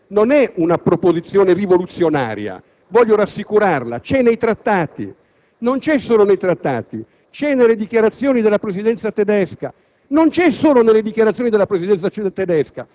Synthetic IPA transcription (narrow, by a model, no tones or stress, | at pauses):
nonɛunapɾopozit̪sːjoːnerivolut̪sːjona̰ːɾja̰ | vɔʎːoɾasːikuɾarla̰t͡ʃɛnejt̪ɾat̪ːaːt̪ḭ | nont͡ʃɛsːoːlonejt̪ɾat̪ːaːt̪i | t͡ʃɛnelːed̪ikjaɾat̪sːjoːnid̪elːapɾezid̪ɛnt̪sat̪ed̪ɛska̰ | nont͡ʃɛsoːlonelːed̪ikjaɾat̪sjoːnid̪elapɾezid̪ɛnt̪sat͡ʃt̪ed̪ɛska̰